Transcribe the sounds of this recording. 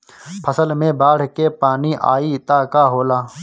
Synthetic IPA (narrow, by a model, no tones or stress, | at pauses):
pʰɐsəlmẽbaːɽ̤keːpaːniʔa̰ːiːt̪aːkaːɦoːlaː